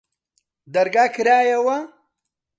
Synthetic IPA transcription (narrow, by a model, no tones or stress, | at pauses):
d̪ɐɾɡaːkʰɨɾaːjɐwɐ